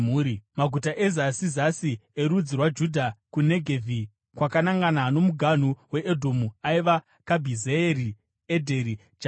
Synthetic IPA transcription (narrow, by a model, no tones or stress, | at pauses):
uːɾimaɡʱutaʔezasizasieɾud͡zirwad͡ʒudʱakuneɡʱevʱi | kwakanaŋɡanaɦːno̞muɡʱan̤uwe̞ʔedʱomuaiʋa | kabʱizeeri | edʱe̞ɾi | d͡ʒa